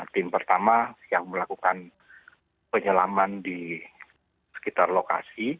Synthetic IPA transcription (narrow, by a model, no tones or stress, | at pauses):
t̪ɪmpərt̪amasijaŋməlakukan | pəɲəlamandi | sə̥kit̪arloka̰si